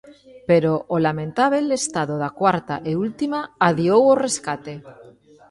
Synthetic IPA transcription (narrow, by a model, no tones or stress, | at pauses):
peɾoʔolamẽnt̪aβelest̪aðoðakwaɾt̪a̰ʔeult̪imaːðjowore̞skat̪e̞